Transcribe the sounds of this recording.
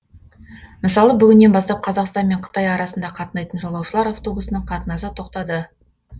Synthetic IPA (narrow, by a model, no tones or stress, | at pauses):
məsɑlˠəbʏɡʲɪnːe̞nbɑst̪ɑp̚qʰɑzɑqst̪ɑnme̞ɴqʰə̥t̪ɑjɑɾɑsənd̪ɑqʰɑt̪ənɑjt̪ənʒolˠɑwʃəlˠɑɾaft̪o̞busənəɴqʰɑt̪ənɑsət̪ʰo̞qt̪ɑd̪ə